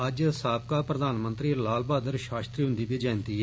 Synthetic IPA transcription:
əd͡ʒsaːb̚kaːpɾəd̪aːnmə̃nt̪ɾiːlaːlbaːd̪əɾʃaːst̪ɾiːɦʊ̃nd̪iːbiːd͡ʒɛ̃ːnt̪iːɦɛ

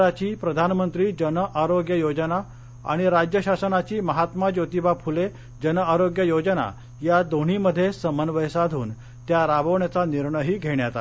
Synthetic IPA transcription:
at͡ɕiːpɾəd̪ʱanmənt̪ɾiːd͡ʑənəʔaɾoɡjəjod͡ʑəna | a̰ɽ̃iɾad͡ʑjəɕasənat͡ɕiːməɦat̪mad͡ʑot̪ibapʰule | d͡ʑənəaɾoɡjəjod͡ʑəna̰ | jad̪oɽ̤iməd̪ʱːjesəmənʋəjsad̪ʱuːn | t̪jaɾabʱəʋɳjat͡saniɾɳəjɦiːɡʱeɳjat̪a

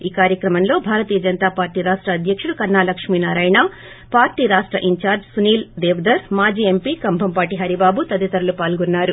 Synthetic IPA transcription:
iːkaːɾjɐkɾɐmɐnlo̞ːbʱaːɾɐt̪iːjɐd͡ʒɐnt̪aːpaːɾʈiːɾaːʂʈɾɐːd̪ʱjɐkʂuɽukɐɾnaːlɐkʂmiːnaːɾaːjɳa | paːɾʈiːɐɾaːʂʈɾɐ̰ʔiɲt͡ʃaːɾd͡ʒsuniːld̪ɛːʋɐd̪ɐɾmaːd͡ʒiːempikɐmbʱɐmpaːʈiɦɐɾibaːbut̪ɐd̪it̪ɐɾɐlupaːlɡunːaːɾu

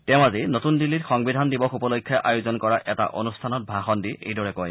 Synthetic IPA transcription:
tɛʊ̃azinotundilːitxɔŋbidʱandibɔxupɔlokʰːjaʔajuzɔnkɔɹaʔɛta̰ʔonustʰanɔt̚bʱaxɔndiʔḛjdɔɹɛkɔj

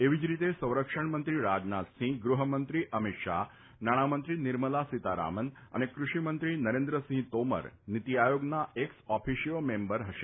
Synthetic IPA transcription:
eʋid͡ʑɾit̪esə̃w̃ɾəkʂəɳmənt̪ɾiːɾad͡ʑnat̪sĩːɡɾuɦəmənt̪ɾiːʔəmit̪ʂa̰ | naɽ̃amənt̪ɾiniɾməlasit̪aɾa̰məna̰nekɾuʂimənt̪ɾiːnəɾend̪ɾəsĩːt̪omə̰ɾnit̪ijajoɡnaeksɔfʰiɕijomembəɾɦəʃe̥

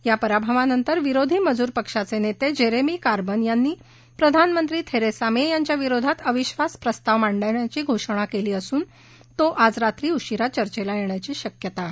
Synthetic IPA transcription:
japəɾabʱəʋanənt̪əɾʋiɾod̪ʱiːməd͡zuːɾpəkʂat͡senet̪ed͡ʑeɾemiːkaɾbənjanːiː | pɾəd̪ʱanmənt̪ɾiːt̪ʰeɾesamejaɲt͡ɕjaʋiɾod̪ʱat̪əʋiɕʋaspɾəst̪aʋmaɳɖəjɳjat͡ɕiːɡʱoʂɽ̃akeliːəsuːn | t̪oʔad͡zɾat̪ɾiːuɕiɾat͡ɕəɾt͡ɕelajeɳjat͡ɕiːɕəkjət̪a

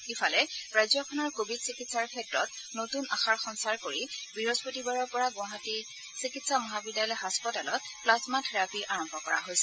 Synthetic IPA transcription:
ifʰalɛɹajzjɔkʰɔnɔɹkobʱidsikitsaɹkʰɛtɹɔt̚ | notunaxaɹxɔnsaɹkoɹibiɹozpotibaɹɔɹpɔɹaɡʊ̃aɦati | sikitsamɔɦabidjalɔjɦaspɔtalɔt̚plasmatʰɹapiʔaɹɔmbʱɔkɔɹa̰ɦojsɛ

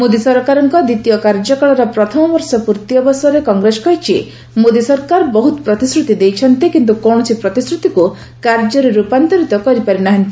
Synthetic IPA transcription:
mod̪isɔɾkaɾɔŋkɔd̪it̪ijɔkaɾd͡ʒɔkɔɭɔɾɔpɾɔt̪ʰɔmɔbɔɾsɔpuɾt̪ijɔbɔsɾekɔŋɡɾesɔ̥kɔɦit͡ʃʰi | mod̪isɔɾkaɾbɔɦut̪ɔ̥pɾɔt̪isɾut̪id̪ejt͡ʃʰɔnt̪ikint̪̬ukɔɳ̃ɔt͡ʃʰipɾɔt̪isɾut̪iku | kaɾd͡ʒɔɾeɾupant̪ɔɾit̪ɔkɔɾipaɾinaɦant̪i

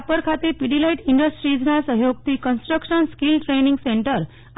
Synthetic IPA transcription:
apəɾkʰat̪epiɽilajiʈiɳɖəsʈɾid͡znasəɦjoɡt̪iːkənsʈɾəkʂənskilʈɾeniŋɡseɳʈəɾ

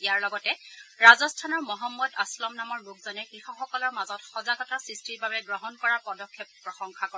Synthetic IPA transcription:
iaɹlɔɡɔtɛɹazɔstʰanɔɹmɔɦɔmːɔdaslɔmnamɔɹlok̚zɔnɛkɹixɔxɔkɔlɔɹmazɔtxɔzaɡɔtasɹistiɹbʱabɛɡɹɔɦɔnkɔɹapɔdɔkʰːjep̚pɹɔxɔŋxʰakɔ

